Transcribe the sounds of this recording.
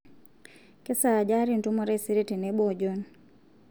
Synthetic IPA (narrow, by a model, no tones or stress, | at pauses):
kɛsad͡ʒaɾintumɔɾɛsiɾitinɛbɔd͡ʒɔn